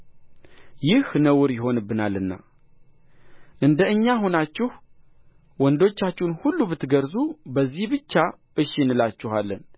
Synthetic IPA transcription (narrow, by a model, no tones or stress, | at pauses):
jɪhnəwʊɾjɪɦo̞nɨbːɨnalːɨnːa̰ | ʔɨnd̪əɨɲːaɦo̞nat͡ʃːɪh | wɔnd̪o̞t͡ʃːat͡ʃːɪnhulːubɨt̪ːɡəɾzubəzːihbɨt͡ʃːa | ʔɨʃnɨlat͡ʃːɪhalːən